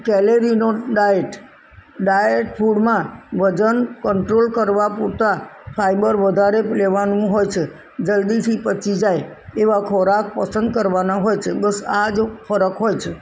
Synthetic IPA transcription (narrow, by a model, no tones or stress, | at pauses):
kɛleɾinoɖaeʈ | ɖaeʈpʰuɽmãʋəd͡ʒənkəɳʈɾolkəɾʋapuɾt̪afʰajbəɾʋəd̪ʱaɾeleʋanũɦojt͡ʃʰe | d͡ʒəld̪isʰipət͡ʃid͡ʒajeʋakʰɔɾak̚pəsənd̪̚kəɾʋanaɦojt͡ʃʰebəsad͡ʒfəɾəkɦojt͡ʃʰe